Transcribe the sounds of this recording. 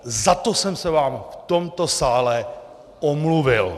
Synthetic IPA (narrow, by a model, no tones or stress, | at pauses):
zat̪osɛmsɛvaːmft̪omt̪o̞saːlɛ | ʔomluvɪl